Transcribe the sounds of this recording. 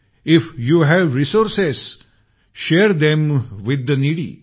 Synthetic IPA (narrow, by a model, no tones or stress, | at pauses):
ɪfjuɦæʋɾisoɾses | ʃeːɾd̪ɛ̃mʋɪd̪əniɽḭ